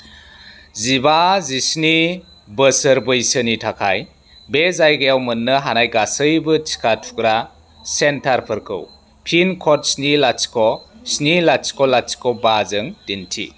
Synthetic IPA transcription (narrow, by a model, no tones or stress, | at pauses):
zibazisni | bəsəɾbɯjsɯnitʰakʰaj | bezajɡajawmɯnːɯɦanajɡasɯjbɯt͡ʃʰi̥kʰatʰu̥kɾa | sentʰaɾpʰɯɾkʰɯ̰w | pʰinkʰɔt̚snilat͡ʃkʰɔsnilat͡ʃkʰɔlat͡ʃkʰɔbazɯŋdintʰḭ